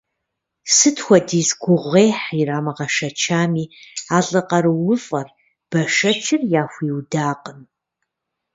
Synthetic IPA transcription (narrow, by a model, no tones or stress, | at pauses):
sɨtʰxʷɐdiːzɡʷʊʁʷeːjħiraːmɐʁɐʂɐt͡ʃʰaːmiːaːɬʼɨqɐɾɨwʊfʼɐr | b̥ɐʂɐt͡ʃʰɪrjaːxʷiːwdaːqʼən